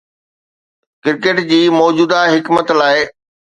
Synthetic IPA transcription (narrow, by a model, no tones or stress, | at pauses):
kɪɾkeːʈd͡ʑiːmɔːd͡ʑuːd̪aɦɪkmət̪laːɪ